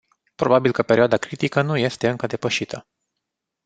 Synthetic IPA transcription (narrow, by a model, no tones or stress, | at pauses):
pɾo̞babilkəpeɾioad̪akɾit̪ikənuje̞st̪e̞ɨŋkəd̪e̞pəʃit̪ʰə